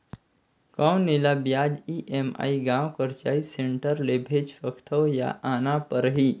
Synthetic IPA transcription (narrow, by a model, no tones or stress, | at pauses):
kãwnilabjad͡ʒiʔema̰iɡãwkəɾt͡ʃaːiseɳʈəɾlebʱed͡ʒfəkʰt̪ʰəwja̰ʔaːnapəɾɦi